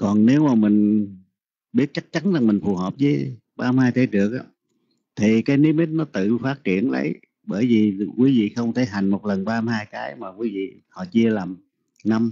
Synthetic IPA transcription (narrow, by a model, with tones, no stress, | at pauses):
kɔ˨˩nne˨˦wmaː˨˩mï˨˩ŋ̟ | ɓi˦˥ət̚t͡ɕa˦˥k̚t͡ɕa˨˦nzaː˨˩ŋmï˨˩ŋ̟fu˨˩həː˨˩p̚zəː˨˦j | ɓaː˧mhaː˧jt̪ʰe˨˦ɗɨ˨˩ək̚ʔaː˧˦ | t̪ʰi˨˩kaː˨˦jni˨˦˥mi˦˥t̚nɔ˨˦t̪ɨ̰˧˨faː˦˥t̚t͡ɕi˧˩˨ənlə̰˧˦j | ɓəː˧˩jvi˨˩kwi˨˦vḭ˧˨xə˧wŋ͡mt̪ʰe˧˩ɦa˨˩jŋ̟mo˨˩t̚lə˨˩nɓaː˧mhaː˧jkaː˨˦jmaː˨˩kwi˨˦vḭ˧˨hɔ̰˧˨t͡ɕi˧əlaː˨˩m | na˧m